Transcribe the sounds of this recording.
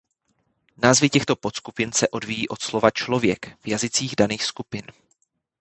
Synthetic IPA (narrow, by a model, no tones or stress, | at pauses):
naːzvɪcɛxt̪o̞pot̪skupɪnsɛʔo̞dviːjiːʔo̞t̪slo̞vat͡ʃlo̞vjɛkvjazɪt͡siːɣdaniːxskupɪn